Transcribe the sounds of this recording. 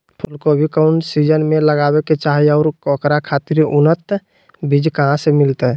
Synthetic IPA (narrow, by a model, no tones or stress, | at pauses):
pʰʊlkobʱikəʊɳɖsid͡ʒənmẽləɡaːweket͡ʃaːɦiɔːɾkɔkɾakʰaːt̪ɪɾʊnət̪ | bʱid͡ʒkəɦãsemɪlt̪e